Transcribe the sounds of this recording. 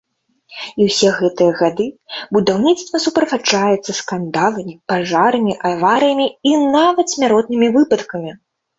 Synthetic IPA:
iwsʲɛɣɛt̪ɨjɐɣad̪ɨbud̪awnʲit̪st̪vɐsupɾɐfat͡ʂajɛt̪sːɐskand̪alˠɐmʲipaʐaɾɐmʲiʔavaɾɨjɐmʲiinavɐt̪sʲmʲaɾɔt̪̚nɨmʲivɨpɐt̪kɐmʲi

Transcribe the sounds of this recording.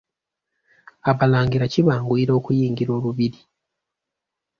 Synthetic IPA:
aβalaːŋɡiɾaciβaːŋɡwiːɾo̞ːkujiːŋɡiɾo̞ːluβiɾi

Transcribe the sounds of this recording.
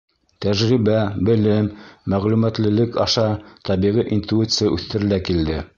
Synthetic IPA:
t̪æʒʁiβæbɘ̆lɘmːæʁlʉmæt̪lɘ̆lɘkɑʃɑt̪ɑβiʁiʔint̪uit̪sɨjaʔʉθt̪ɘ̆ɾɘ̆lækild̪ɘ

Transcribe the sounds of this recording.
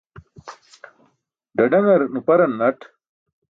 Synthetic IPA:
ɖɐɖɐŋɐɾnupɐɾɐnːɐʈ

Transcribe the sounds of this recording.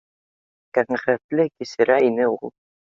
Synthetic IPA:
kæŋæχɾæt̪lɘkisɘ̆ɾæinɘṵlˠ

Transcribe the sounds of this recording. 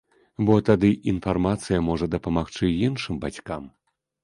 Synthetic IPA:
bɔt̪ad̪ɨʔinfarmat̪sɨjɐmɔʐɐd̪ɐpɐmaxt͡ʂɨjinʂɨmbat͡sʲkam

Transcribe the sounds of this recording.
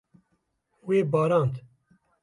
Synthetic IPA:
weːbɑːɾɑːnt̪

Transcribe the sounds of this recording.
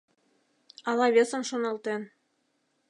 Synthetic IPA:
ɑlɑβʲesɤ̆nʃonɑlt̪en

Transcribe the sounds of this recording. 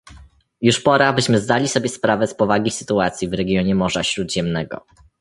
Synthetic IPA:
juʂpɔɾabɘɕmɘzd̪alʲisɔbʲjɛspɾavɛspɔvaɡʲisɘt̪uat̪sʲjivɾɛɡʲjɔɲɛmɔʐaɕɾud̪ʑɛmnɛɡɔ̰

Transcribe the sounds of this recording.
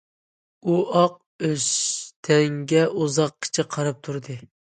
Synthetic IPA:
uɑq̚ | øʃt̪ʰɛŋɡʲɛʔuzɑq̚kʲʰɪ̥t͡ʃʰɪqʰɑɾɑp̚t̪ʰuɾd̪ɨ

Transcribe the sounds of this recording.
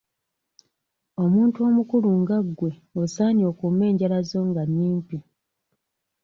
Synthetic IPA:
o̞muːntuo̞ːmukuluŋɡaɡwe̞osaːnio̞ːkume̞ːɲɟalazo̞ːŋɡaɲːiːmpi

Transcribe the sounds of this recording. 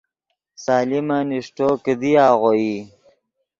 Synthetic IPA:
saːlimaniʂʈokəd̪iaːɣoji

